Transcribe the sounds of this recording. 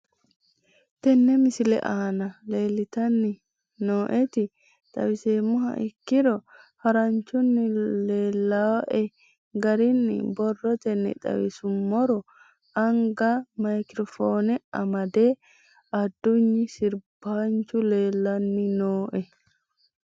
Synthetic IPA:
t̪ɛnːɛmɪsɪlɛ̰ʔaːnɐle̞ːlːɪt̪ɐnːɪ | noːʔɛt̪ɪ | t̪ʼɐ̰wɪseːmːʊhɐ̰ʔɪkːɪɾɔhɐɾɐɲt͡ʃʊnːɪleːlːaːʔɛ | ɡɐɾɪnːɪ̰bɔrːɔt̪ɛnːɛ̰t̪ʼɐ̰wɪ̰sʊmːɔɾɔ | ɐŋɡamɐjkɪɾɔfoːnɛɐmɐd̪eː | ɐd̪ːʊɲːɪsɪɾbaːɲt͡ʃʊleːlːɐnːɪnoːʔɛ

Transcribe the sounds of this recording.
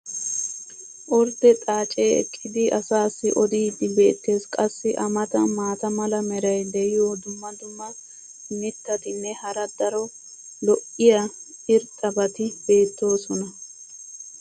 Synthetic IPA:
ʔɔɾt̪ːɛt̪ʼaːt͡ʃʼeːɛ̰kʰʼːɪd̪ɪɐsaːsːɪʔɔd̪iːd̪ːɪbe̞ːt̪ːe̞ːskʼɐsːɪʔɐmɐt̪ɐmaːt̪ɐmɐlɐmɛɾɐjd̪ɛjɪjod̪ʊmːɐd̪ʊmːɐ | mɪt̪ːɐt̪ɪnːɛhɐɾɐd̪ɐɾɔ | lɔʔɪjɐ | ɪɾt̪ʼɐbɐt̪ɪbe̞ːt̪ːo̞ːsɔnɐ

